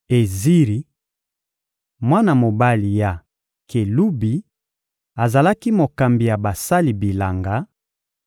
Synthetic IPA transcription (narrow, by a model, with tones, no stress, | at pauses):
e˨zi˦ʁi˨ | mwa˦na˨mo˨ba˦li˨ja˨ | kʰe˨lu˦bi˨ | a˨za˨la˦ki˦mo˨ka˨mbi˨ja˨ba˨sa˦li˨bi˨la˨ŋɡa˦